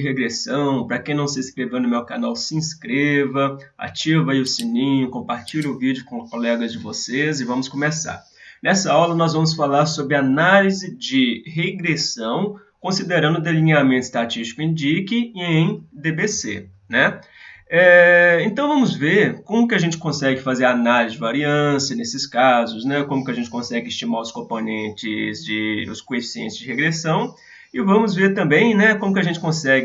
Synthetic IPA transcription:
ɪɦeɡɾesɐ̃w̃pɾɐkẽj̃nɐ̃w̃sɪiskɾevɐ̃nʊmewkanawsɪiĩskɾevɐa̰ɾt͡ʃivɐaiʊsinĩɲʊkõmpaɾt͡ʃiʎʊvid͡ʒʊkõkolɛɡɐzd͡ʒɪvosezɪvɐ̃mʊskõmesa̰ɾ | nɛsɐawlɐnɔzvɐ̃mʊs̬falaɾsobɾɪanalizɪd͡ʒɪɦeɡɾesɐ̃w̃ | kõsid̪eɾɐ̃nd̪ʊd̪elĩɲamẽnt̪ʊɪ̥st̪at͡ʃist͡ʃi̥kʊẽd͡ʒikɪẽj̃d̪ebesḛ | nɛ | ɛẽnt̪ɐ̃w̃vɐ̃mʊzveɾkõmʊkʲɪaʒẽnt͡ʃɪ̥kõsɛɡɪfazeɾanalizɪd͡ʒɪvaɾiɐ̃sjɐnesɪskazʊsnɛkõmʊkɪɐʒẽnt͡ʃɪ̥kõsɛɡɪst͡ʃimaɾʊskõmponẽnt͡ʃɪzd͡ʒɪʊ̰skõefi̥siḛ̃nt͡ʃɪzd͡ʒɪheɡɾesɐ̃w̃ | ɪvɐ̃mʊzveɾt̪ɐ̃mbẽj̃nɛkõmʊkɪɐʒẽt͡ʃɪ̥kõsɛɡɪ

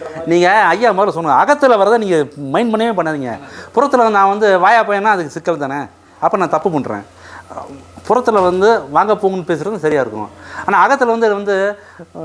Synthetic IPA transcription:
niːŋɡɐɐjːaːmɐːðɾlsɔnːɯŋɡɐɐɣɐt̪ːɯlɐʋɐɾɐðaniːŋɡɐmɐɪnmɐɳːɐmeːp̬ɐɳːaːðiːŋɡɐ̰pʊɾɐt̪ːɯlɐɐnd̪ɯnãːʋɐnd̪ɯʋaːjaːpoːjẽnːaːɐðɯkːɯsɪkːɐlt̪aːnɛ | ɐpːonãːt̪ɐpːɯpɐɳɾḛ̃ː | pʊɾɐt̪ːɯlɐʋɐnd̪ɯʋaːŋɡɐpːoːŋɐnːɯpeːsɪɾɐðnːsɐɾɪjaːɪɾɯkːʊ̰̃aːnaːɐɣɐt̪ːɯlʋɐnd̪ɯðɐʋɐnd̪ɯ

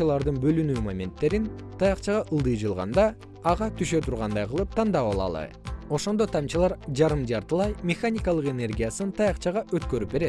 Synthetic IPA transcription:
ɯlˠɑɾd̪ɯnbø̞lynyːmamʲe̞nt̪ːe̞ɾint̪ʰɑjɑqt͡ʃɑʁɑʔɯlˠd̪ɯjd͡ʒɯlˠʁɑ̰nd̪ɑ | ɑʁɑt̪ʰyʃø̞t̪ʰuɾʁɑnd̪ɑjqɯlˠɯp̚t̪ʰɑnd̪ɑpɑlˠɑ̰lˠɯ̰ | o̞ʃo̞nd̪o̞t̪ʰɑmt͡ʃɯlˠɑɾd͡ʒɑɾɯmd͡ʒɑɾt̪ɯlˠɑjmʲexanʲikɑlˠɯqe̞ne̞rɡʲijasɯnt̪ʰɑjɑqt͡ʃɑʁɑʔøt̪̚kø̞ɾyp̚be̞ɾe̞t̪

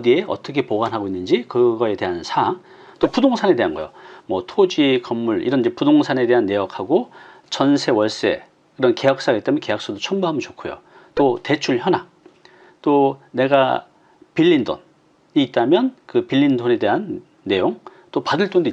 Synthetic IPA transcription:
die̞ʌ̰t͈ʌkʰe̞poɡanɦaɡoinːɯnd͡ʑikɯɡʌe̞te̞ɦansʰaŋ | t͈opudoŋsʰane̞de̞ɦanɡʌ̰jo̰mwʌtʰod͡ʑikʌmːuɭḭɾʌnd͡ʑepudoŋsʰane̞de̞ɦanːe̞jʌkʰhaɡot͡ɕʌnsʰe̞wʌɭs͈e̞̰ | kɯɾʌnke̞jʌk̚s͈aɡet͈emjnke̞jak̚s͈odot͡ɕʰʌmbuɦamɯnt͡ɕokʰojo̰ | t͈ote̞t͡ɕʰuɭçjʌna | t͈one̞ɡa | piʎːindo̰n | iːt̚t͈amjʌnkɯpiʎːindone̞de̞ɦanː | e̞joŋt͈opadɯɭt͈ond̪oi

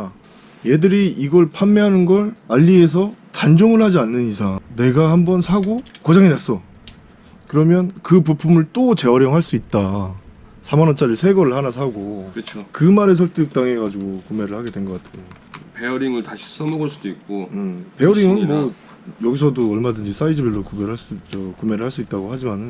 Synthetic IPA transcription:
a | je̞dɯɾiiɡʌɭpʰammeɦanɯnɡʌɭaʎːie̞s̬ʰʌtand͡ʑoŋɯɭhad͡ʑianːɯnisʰaŋne̞ɡahambʌnsʰaɡokʌd͡ʑaŋinas͈ʌ | kɯɾʌmjʌnkɯpupʰumɯɭt͈ot͡ɕe̞ʌɾjʌŋɦaɭs͈uit̚t͈a | sʰamanʌnt͡ɕ͈ʰaɾiɭsʰe̞ɡʌɾɯɭhanasʰaɡokɯt͡ɕʰokɯmaɾe̞s̬ʰʌɭt͈ʰɯɯk̚t͈aŋe̞ɡad͡ʑuɡokume̞ɾɯɭhaɡe̞dwe̞nɡʌk͈atʰejo | peʌɾiŋɯɭtaɕʰi̥s͈ʌmʌɡʌɭs͈ud̥oik̚k͈oɯpe̞ʌɾiŋɯnmʌ | jʌɡisʰʌdoʌɭmadɯnd͡ʑis͈aid͡ʑɯbiɭːokubeɾɦaɭs͈uit͡ɕʌkume̞ɾɯɭhaɭs͈uit̚t͈aɡohad͡ʑimanɯn

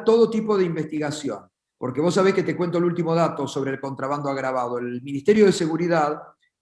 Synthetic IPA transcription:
t̪o̞ðo̞t̪ipoð̞eimbest̪iɣasjo̞̰n | poɾkeβo̞s̬ːaβ̞esket̪ekwe̞nt̪olult̪imo̞ðat̪o̞so̞β̞ɾeːlko̞nt̪ɾaβand̪oaɣɾaβað̞oelminist̪e̞ɾjo̞ðese̞ɣuɾiðað

